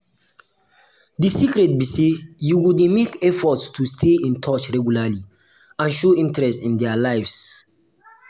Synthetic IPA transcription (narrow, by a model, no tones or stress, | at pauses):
disikɾɛt̚bisejuwudemekɛfɔtstustʰeĩntʰɔt͡ʃɹɛɡjulali | ãnʃoĩntɹɛstĩndɛalaɪfs